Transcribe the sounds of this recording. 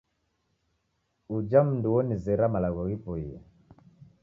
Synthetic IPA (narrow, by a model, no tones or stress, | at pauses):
ud͡ʒam̩nduwɔnizɛɾamalaɣɔɣipɔia̰